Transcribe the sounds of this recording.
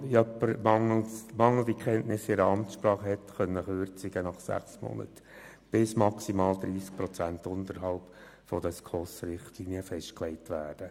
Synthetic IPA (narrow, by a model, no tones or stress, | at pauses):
œpəɾmɑŋlmɑŋl̩d̥ikχɛntnɪsɪɾəɑmtʃpɾɑːχəhɛtχœnːəχøːɾt͡sɪɡənɑχsæ̰χsmɔ̰nə̰t | b̥ɪsmɑksimɑːld̪ɾiːsk̚pɾɔt͡sæntʊntəɾɦɑlp | fɔd̥̪əskʰɔsɾɪχtliniəfɛʃtklɛɪtʋæːd̥ə